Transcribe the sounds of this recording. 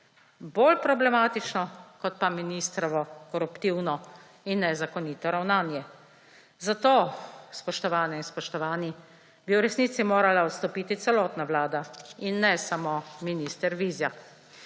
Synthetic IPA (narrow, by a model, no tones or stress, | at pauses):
boːlpɾɔblɛmaːt̪it͡ʃnɔkɔt̪̚paminiːst̪ɾɔʋɔkɔɾupt̪iwnɔ | inːɛzakɔniːt̪ɔɾawnaːnjɛ | zat̪oːspɔʃt̪ɔʋaːnɛinspɔʃt̪ɔʋaːni | biwɾɛsniːt̪simoːɾalaɔt̪st̪ɔpiːt̪it̪sɛlɔːt̪naʋlaːd̪ainːɛsamominiːst̪ɛɾʋiːzja